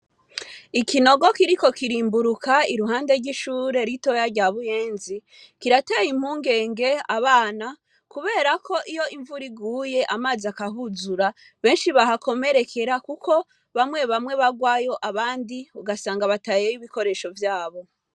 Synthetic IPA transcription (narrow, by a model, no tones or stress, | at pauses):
ikino̞ɡo̞kiɾiko̞kiɾiːmbuɾukaiɾuɦaːnde̞ɾɟiʃuːɾe̞ɾito̞jaɾɟaːβuje̞ːnzi | kiɾatajim̥huːŋɡe̞ːŋɡe̞aβaːna | kuβe̞ːɾakʰo̞ʔijo̞ʔiɱvuɾiɡuːje̞ʔamaːziakaɦuzuɾa | βe̞ːnʃiβaɦako̞me̞ɾe̞kʰe̞ɾakukʰo̞ | βamwe̞βamwe̞βaɡwajo̞ʔaβaːndiuɡasaːŋɡaβatajejiβiko̞ɾe̞ʃo̞vjaːβo̞